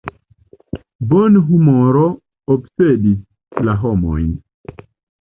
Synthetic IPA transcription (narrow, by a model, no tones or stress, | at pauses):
bɔnɦumɔɾɔ | ɔpsedi | laɦɔmɔ̰in